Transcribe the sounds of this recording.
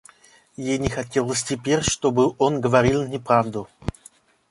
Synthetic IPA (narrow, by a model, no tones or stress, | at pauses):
jejnʲɪxɐtʲelˠəsʲtʲɪpʲeɾʲʂt̪obɨʔonɡəvɐɾʲilˠnʲɪpɾavd̪ʊ